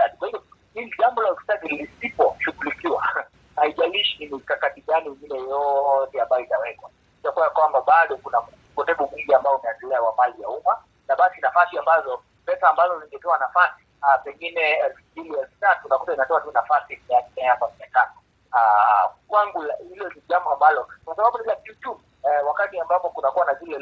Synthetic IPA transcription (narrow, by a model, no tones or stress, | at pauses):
aɗikwahivɔhiliʄambɔlaufi̥tazilisipɔʃuɡulikiwa | haiʄaliʃinikakatiɠaniŋɡinɛjɔtɛambajɔitawɛkwa | itakuwajakwambaɓaɗɔkunakuukɔtɛɓɔmwiɡiambaɔumɛandiliakwamalijauma | naɓasinafasiambazɔ | pɛsaːmbazɔziŋɡɛtɛwanafasi̥ | apɛŋɡinɛɛlfumbiliɛlfu̥tatunakutainatɔatunafasimɛakinɛjapamiatanɔ | akwaŋɡulahilɔniʄambɔambalɔkwasaɓaɓunilatutu | wakatiambapɔkunakuwanazilɛ